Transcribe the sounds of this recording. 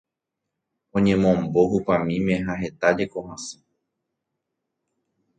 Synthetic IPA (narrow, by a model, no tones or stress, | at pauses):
õ̞ɲẽ̞mõmbo̞hupãmĩmẽ̞ɦaɦe̞t̪ad͡ʒe̞ko̞ɦãsɨ̥